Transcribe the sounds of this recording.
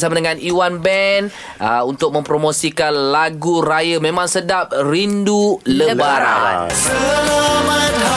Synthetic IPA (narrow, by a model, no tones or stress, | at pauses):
samadəŋãnʔiwanbɛn | əunt̪ʊk̚mə̃mpɾomõsikanlaɡuɾajəmẽmãŋsədap̚ɾinduləbaɾa̰